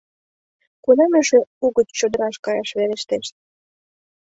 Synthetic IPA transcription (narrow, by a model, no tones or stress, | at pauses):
kunɑmøʃeuɣətt͡ɕod̪əɾɑʃkɑjɑʃβeɾeʃt̪eʃt̪̚